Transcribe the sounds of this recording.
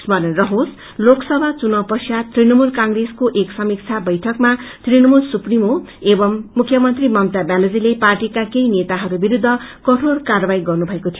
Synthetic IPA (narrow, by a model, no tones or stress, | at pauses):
smʌɾenrʌɦos | loksʌbʱat͡sunʌwpʌsjat̪rinʌmulkaŋɡreskoʔeksʌmik̚t͡sʰabʌjʈʰʌkmat̪rinʌmulsuprimoebʌmːukʰjʌmʌnt̪rimʌmt̪abanʌd͡zileparʈikakejnet̪aɦʌɾubiɾud̪ʱːʌkʌʈʰorkarʌbajɡʌrnubʱʌekot̪ʰijo